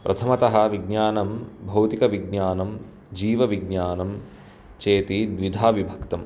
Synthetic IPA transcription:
pɾʔɐt̪ʰɐmɐt̪ɐɦɐ̆ʋiɡɲaːnɐmbʱɐwt̪ikɐʋiɡnaːnɐm | d͡ʒiːʋɐʋiɡɲaːnɐm | t͡ʃeːt̪id̪ʋid̪ʱaːʋibʱɐkt̪ɐm

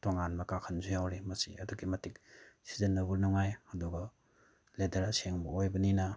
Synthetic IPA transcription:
toŋanmɐkakʰɐnzujawɾimɐsḭɐduɡimɐtik̚si̥zenːɐbuɾnuŋajhɐduɡɐ | ledɐɾaseŋbɐojbɐninɐ

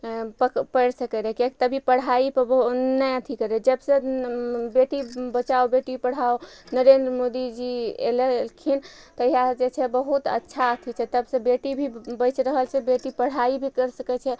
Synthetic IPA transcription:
pəpəɽsəkɛɾɛkekt̪əbʱipəɽ̤aipəbəɦnəjət̪ʰikəɾɛd͡ʒəbsə̃ | beʈibət͡ʃaobeʈipəɽ̤aonəɾend̪ɾəmod̪id͡ʒiḛlelkʰin | t̪əiɦad͡ʒet͡ʃʰɛbəɦut̪ə̰tːʃʰaət̪ʰit͡ʃʰɛt̪əbsə̃beʈibʱibəjt͡ʃɾəɦəlt͡ʃʰẽbeʈipəɽ̤aibʱikəɾsəkɛt͡ʃʰɛ

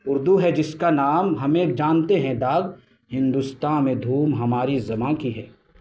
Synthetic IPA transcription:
ʊɾd̪uɦɛd͡ʒɪskanaːmɦɐmeːk̚d͡ʒaːnt̪eɦɛ̃d̪aːɡ | hɪ̃nd̪ust̪aːmẽd̪ʱuːmɦɐmaːɾizɐmãkiɦɛː

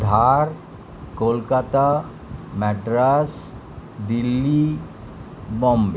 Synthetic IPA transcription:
d̪ʱaɾ | kolkat̪a | mɛʈɾas | d̪ilːi | bɔmbe

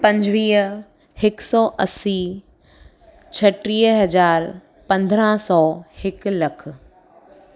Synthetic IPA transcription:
pɐ̃ɲd͡ʑʋiːɦ | hɪksɔːʔɐsi | t͡ɕʰɐʈɾiːɦɦɐd͡ʑaːɾ | pɐ̃nd̪ʱɾãsɔːhɪklɐkʰʊ̆

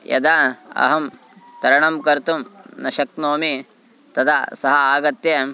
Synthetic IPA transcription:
jɐ̰d̪aɐ̰ɦɐm | t̪ɐɾɐɳɐmkɐɾt̪umnɐʃɐk̚noːmi | t̪ɐd̪ʰasɐɦɐaːɡɐt̪je

